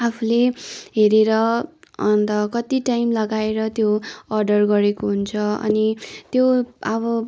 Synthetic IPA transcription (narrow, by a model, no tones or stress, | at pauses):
apʰuleɦeɾeɾʌʌnt̪ʌkʌt̪iʈajmlʌɡaeɾʌt̪joʌrɖʌrɡʌɾekoɦunt͡sʰʌʌ̰nit̪joʌβʌ